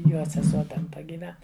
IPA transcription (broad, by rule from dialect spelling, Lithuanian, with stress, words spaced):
ˈjoː sʲɛˈsuɔ tʲɛn ˈtɐ ɡʲiːˈʋʲɛn